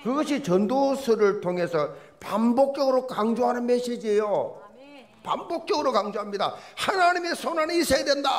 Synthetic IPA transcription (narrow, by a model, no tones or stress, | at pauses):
kɯɡʌɕʰit͡ɕʌndosʰɯɾɯɭtʰoŋɦe̞sʰʌ | pambok̚t͡ɕ͈jʌɡɯɾokaŋd͡ʑoɦanɯnmeɕ͈id͡ʑiejo | pambok̚t͡ɕ͈ʌɡɯɾokaŋd͡ʑoɦamɲida̰hanaɲime̞sʰonanisʰeedwenda